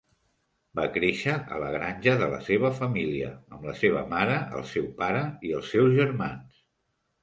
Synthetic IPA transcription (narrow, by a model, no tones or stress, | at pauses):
bakɾeʃəʔə̰ləɣ̞ɾanʲʒəðələ̰seβəfəmiliə̰əmləseβ̞ə̰maɾəə̰lˠsɛwpaɾəiəlˠsːɛwzʒəɾmans